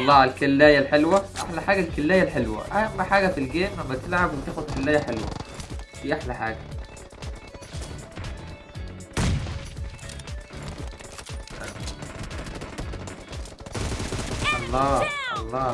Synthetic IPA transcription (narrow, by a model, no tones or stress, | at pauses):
ʔʔɑlˤːɑːælkalːæːjælħelwæʔa̰ħlæħaːɡælkɪlːæːjælħelwæ̰ʔæjmːaħaːɡæfilɡeːnʔæmːæt̪ɪlʕabwɪt̪eːxod̪ˤkalːæːjæħelwæ̰d̪iːʔaħlæħaːɡæ | ʔɑlˤːɑːʔɑ̰lˤːɑː